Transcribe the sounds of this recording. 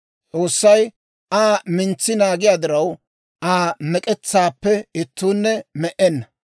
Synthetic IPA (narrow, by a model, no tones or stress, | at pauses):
t͡sʼo̞ːsːɐj | ʔaːmɪnt͡sːɪnaːɡɪjaːd̪ɪɾɐw | ʔaːmɛkʼɛt͡sːaːpːɛɪt̪ːuːnːɛmɛʔɛnːɐ